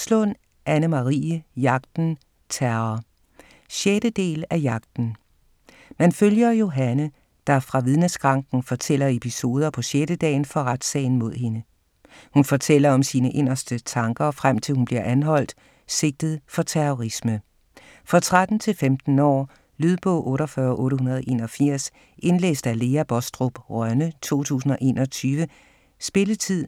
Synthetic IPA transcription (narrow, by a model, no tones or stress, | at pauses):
slɔn | ʔænəmɑʁḭːəjɑ̈ɡ̥̚d̥n̩ | t͡sʰæɐɐ | ɕeɾ̥əd̥e̝̰ːlæjɑ̈ɡ̥̚d̥n̩ | mænføljɐjo̝ɦænə | d̥ɑ̈fʁɑ̈ʋið̞ˠnəsɡ̥ʁɑ̈ŋɡ̥n̩fɒ̽t͡sʰel̰ɐe̝pʰiso̝ːð̞ˠɐpʰɒ̽ɕeɾ̥əd̥ɛ̰ːɪnfɒ̽ʁad̥sɛ̰ɪn̩mo̝ð̞̰ˠɦe̝nə | hunfɒ̽t͡sʰel̰ɐɒ̽msiːnəʔe̝n̰ɐsd̥ət͡sʰɑ̈ŋɡ̥ɐfʁam̰t͡sʰe̝lhunb̥liɐʔænɦɒ̽l̰d̥ | se̝ɡ̥̚d̥ð̞̩ˠfɒ̽t͡sʰeʁɔʁismə | fʁɑ̈t͡sʰʁad̥n̩t͡sʰe̝lfemd̥n̩ɒ̰ː | lyð̞ˠb̥ɔ̰̽ʊ̰ʔɔ̽ːɾɒfɶːɐʔɔ̽ːɾəɦunɐðˠʔe̝ːnɒfiɐ̰s | e̝nlḛːsd̥æle̝ːæb̥ɒsd̥ʁob̥ʁɶnət͡sʰo̝̰ːt͡sʰṵːsn̩ɒ̽ʔe̝ːnɒ̽t͡sʰyːʋə | sb̥e̝lət͡sʰið̰ˠ